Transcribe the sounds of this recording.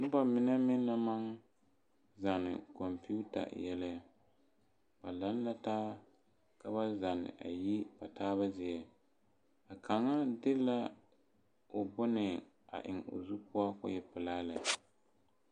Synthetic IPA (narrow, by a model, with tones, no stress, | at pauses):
nʊ˦ba˨mɪ˦nɛ˦mɪ˦nː˦a˦ma˦ŋ | za˨nɨ̰˨kɔ˨mpi˦u˦ta̰˨jɛ˦la˦a˦ | ba˨la˦n˦la˦taː˦ | ka˦ba˦za˨nɪ̰˨ʔa̰˨ji˦pa˨taː˦βa˦zɪ˦ɛ˨ | a˨ka˨ŋa˦dɪ˦la˦ | ʊ˨bʊ˦nɨ˨ | a̰˨ʔɪ̰˨ŋʊ̰˨zu˦pʊ˦a˦kʊ̰˦jɛ˦pɨ˨laː˦la˨